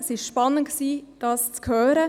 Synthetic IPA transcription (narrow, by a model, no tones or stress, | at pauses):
əsɪʃʃpɑnːən̚ksiːd̥ɑːst͡skʰhœːɾə